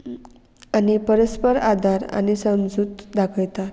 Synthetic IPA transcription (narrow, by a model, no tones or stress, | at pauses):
anipəɾəspəɾad̪ʱaɾa̰ñisəmd͡zut̪d̪akʰəjt̪a